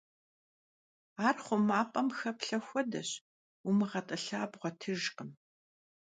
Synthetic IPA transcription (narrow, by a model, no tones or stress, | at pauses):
aːrχʷʊmaːpʼɐmxɐpɬɐxʷɔdɐɕ | umɨʁɐtʼɨɬaːbʁʷɔtʰɨʒqʼəm